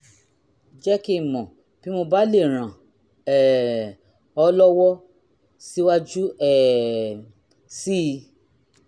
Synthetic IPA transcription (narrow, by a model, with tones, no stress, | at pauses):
d͡ʒɛ˦ki˦˨mɔ̃˨ | b̥i˦mo˧ba˦le˦˨ɾ̃ã˨ | ɛ˨ | ɔ˧˦lɔ˦wɔ˦ | si˦wa˦d͡ʒu˦ɛ˦˨ | si˦˧˦